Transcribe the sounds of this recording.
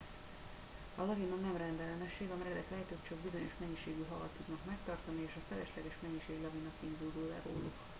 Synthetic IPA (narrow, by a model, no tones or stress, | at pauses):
ɒlɒɡinonɛmrɛnd̪ɛlɛnɛʃːeːɡɒmɛɾɛlɛk̪lɛt̪øːtt͡ʃoɡbizo̞ɲo̞ʃmɛɲːiʃeːɡyɦɒvɒt̪uknɒkmɛk̚t̪ɒrt̪ɒnieːʃɒfɛlɛʃlɛɡɛʃmɛɲːiʃeːɡlɒɡinɒkind̪uld̪uːllɛ̰ːɾo̰ːlṵk